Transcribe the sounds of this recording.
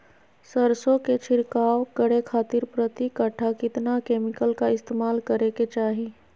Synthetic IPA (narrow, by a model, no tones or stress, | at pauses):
səɾsõket͡ʃʰɪɾkaːwkəɽekʰaːt̪ɪɾpɾət̪ikəʈʰakɪt̪nakeːmɪkəlkaɪst̪eːmaːlkəɾeket͡ʃaːɦĩ